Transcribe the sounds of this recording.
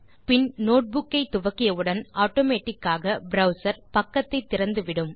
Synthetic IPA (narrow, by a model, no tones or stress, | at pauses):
pɪnnoːʈ̚bʊkːɐɪt̪ːʊʋɐkːɪjɐʋɯɽɐnʔaːʈːoːmeːʈːɪkːaːɣɐbɾɐʊsɐɾpɐkːɐt̪ːɐɪt̪ːɪɾɐnd̪ɯʋɪɽɯm